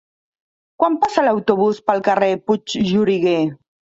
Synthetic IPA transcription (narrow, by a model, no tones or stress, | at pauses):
kwampasəlawt̪uβuspəlˠkəreput͡ʃʒuɾiɣe